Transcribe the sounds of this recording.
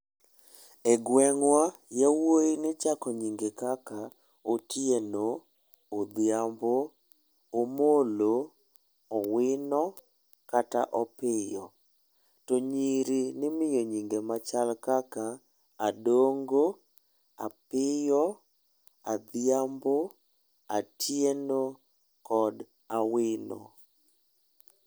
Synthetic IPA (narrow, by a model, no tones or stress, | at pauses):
ɛɡwɛŋwajawojinɪt͡ʃakɔɲiŋɡekaka | otjenoː | d̪ɪamboː | molo | ɔwɪnɔ | kata̰ʔɔpɪjɔ | tɔɲiɾinɪmɪjoɲiŋɡemat͡ʃalkakaː | doŋɡo | a̰pɪjɔ | ad̪jambo | atʰjeno | kɔd | awɪnɔ̰